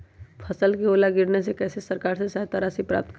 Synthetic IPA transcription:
pʰəsəlkioːlaɡɪɾnesekɛːsesɐɾkaːɾsesaɦt̪aɾaːsipɾa̰ːp̚t̪k

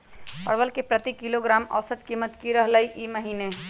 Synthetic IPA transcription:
pɐ̰ɾbəlkepɾət̪ikiloɡɾaːmɐ̰ʋsəd̪kiːmət̪kiɾəɦləiʔiməɦiːne

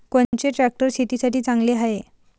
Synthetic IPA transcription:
kont͡ɕeʈɾæk̚ʈəɾsit̪isaʈiːt͡saŋɡleɦaɦe

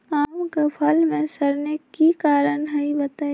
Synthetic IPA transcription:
aːmkɐpʰalmẽsəɾnekikaːɾənɦɐibɐt̪aː

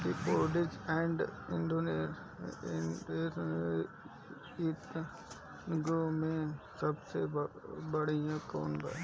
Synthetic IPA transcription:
kipoːɖɪd͡ʒɛ̃ːɳɖɪ̃ɳɖoːne | eɾ | ɪt̪ | ɡomẽsɐbsebɐɽijãkoːnba̰

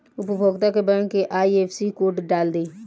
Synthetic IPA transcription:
ʊpəbʱoːɡt̪akebənkeʔaːieːpʰsikoːʈɖaːld̪eː

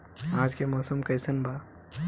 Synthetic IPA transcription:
aːd͡ʒkemɔːsəmkɐjsɐnbʱaː

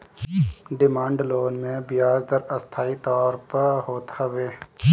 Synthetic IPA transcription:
ɖɪmãːɳɖloːnmẽbɪjaːd͡ʒd̪əɾəst̪ʰaːit̪ɔːɾpəɦoːt̪həʋeː

